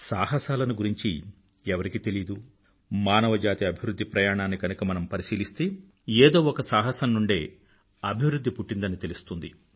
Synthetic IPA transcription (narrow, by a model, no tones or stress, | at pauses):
saːɦɐsaːlɐnuɡuɾiɲt͡ʃḭ | ɛʋɐɾikit̪e̞lid̪u | maːnɐʋɐd͡ʒaːt̪iɐbʱiʋɾud̪ʱːipɾɐjaːɳaːnːikɐnukɐmɐnɐmpɐɾisiːlist̪e̞ː | eːd̪o̞ːɔkɐsaːɦɐsɐnːuɳɖe̞̰ː | ɐbʱiʋɾud̪ʱːipuʈːind̪ɐnit̪e̞lust̪und̪ḭ